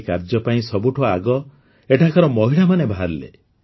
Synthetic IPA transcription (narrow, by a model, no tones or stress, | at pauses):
kaɾd͡ʒɔpaĩsɔbuʈʰɔaɡɔ | eʈʰakɔɾɔmɔɦiɭamanebʱaaɾlḛ